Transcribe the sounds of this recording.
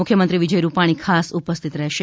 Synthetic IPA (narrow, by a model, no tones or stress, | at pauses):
ʊkʰjəmənt̪ɾiʋid͡ʒəjɾupaɽ̃ikʰasupəst̪ʰit̪ɾɛɦʃe